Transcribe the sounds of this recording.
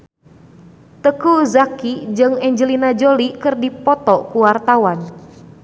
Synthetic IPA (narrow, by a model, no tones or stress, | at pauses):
t̪əkuzakid͡ʒɨŋɛɲd͡ʒəlinad͡ʒolikɨrdipɔt̪ɔkuwart̪awan